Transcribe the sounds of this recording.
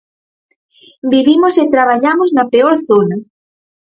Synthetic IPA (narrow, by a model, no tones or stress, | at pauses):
biβimoset̪ɾaβ̞aʎamoznapeoɾθona